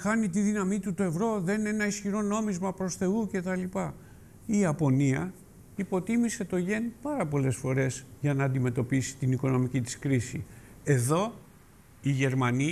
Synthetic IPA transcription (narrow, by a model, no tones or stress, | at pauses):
xɐnit̪iðinɐmit̪ut̪oe̞vɾo̞ðe̞nne̞nɐisçiɾo̞no̞mizmɐpɾo̞sθe̞uce̞t̪ɐlipɐ | iɐpo̞niɐ | ipo̞t̪imise̞t̪o̞ʝe̞npɐɾɐpo̞le̞sfo̞ɾe̞zʝɐnɐːnd̪ime̞t̪o̞pisi̥t̪iniko̞no̞micit̪i̥skɾisi | e̞ðo̞ | iʝe̞ɾmɐni